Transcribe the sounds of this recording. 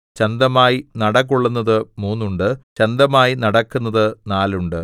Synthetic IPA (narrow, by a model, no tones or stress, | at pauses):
t͡ɕɐnd̪ɐmaːjinɐɽɐk̬ːuɭːunːɐðɨmuːnːuɳɖɨt͡ɕɐnd̪ɐmaːjinɐɽɐkːunːɐðɨnaːluɳɖɨ